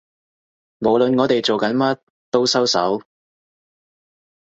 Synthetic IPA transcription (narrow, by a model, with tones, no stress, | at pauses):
mo˨˧wlɵ˨nŋɔː˨˧t̪e˨jt͡so˨wkɐ˨˥nmɐ˥t̚ | t̪o˥wsɐ˥wsɐ̰˨˥w